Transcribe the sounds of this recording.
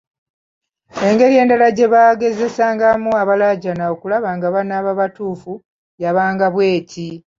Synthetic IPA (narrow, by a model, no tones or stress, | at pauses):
e̞ŋɡe̞ɾie̞ːndalaɟe̞βaːɡe̞ze̞saːŋɡamuaβalaɟanaokulaβaːŋɡaβanaːβaβatuːfu | jaβaːŋɡaβwe̞ːcʰi